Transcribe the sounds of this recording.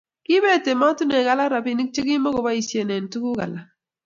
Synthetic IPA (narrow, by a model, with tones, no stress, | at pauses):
ki˦be˦˨te˨ma˦tu˦ne˨ɡa˦la˦ɾa˨pi˦ni˦k̚t͡ʃe˦ɡi˦mɔ˦ko˨ba˦i˨sje˨ne˨n˨tu˦ku˦ɡa̰˨la˨